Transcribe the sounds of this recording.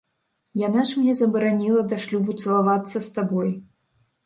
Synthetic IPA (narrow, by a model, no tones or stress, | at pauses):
janaʂmnʲɛzɐbɐɾanʲilˠɐd̪ɐʂlʲubut̪sɐlˠavat̪sːɐst̪abɔj